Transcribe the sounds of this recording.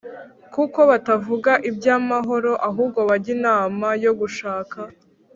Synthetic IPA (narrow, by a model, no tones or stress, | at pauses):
kuko̞βatavuɡaʔibɟaːmaɦo̞ɾo̞ʔaɦuːbɡo̞βaɟinaːmajo̞ɡuʃaːka